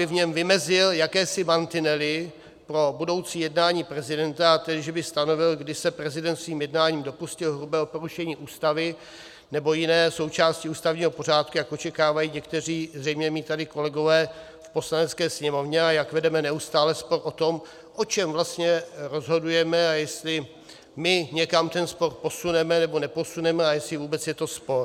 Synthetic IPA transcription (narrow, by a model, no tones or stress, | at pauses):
ɪvɲɛmvɪmɛzɪljakɛːsɪmant̪ɪnɛlɪ | pɾo̞budo̞wt͡siːjɛdnaːɲiːpɾɛzɪdɛnt̪aat̪ɛdɪʒɛbɪst̪ano̞vɪlɡdɪsɛpɾɛzɪdɛnt̪sviːmjɛdnaːɲiːmdo̞puscɪlɦɾubɛːopo̞ɾuʃɛɲiːʔuːst̪avɪ | nɛbo̞jɪnɛːso̞wt͡ʃaːscɪuːst̪avɲiːɦo̞po̞r̝aːt̪̚kujakʔo̞t͡ʃɛkaːvajiːɲɛkt̪ɛr̝iːzrɛjmɲɛmiːt̪adɪko̞lɛɡo̞vɛː | fpo̞slanɛtt͡skɛːsɲɛmo̞vɲɛajakvɛdɛmɛnɛust̪aːlɛspo̞ɾʔo̞t̪o̞m | ʔo̞t͡ʃɛmvlast̪ɲɛɾo̞zɦo̞dujɛmɛajɛst̪lɪ | mɪɲɛkamt̪ɛnspo̞ɾpo̞sunɛmɛnɛbo̞nɛpo̞sunɛmɛajɛslɪvuːbɛt͡sjɛt̪o̞spo̞ɾ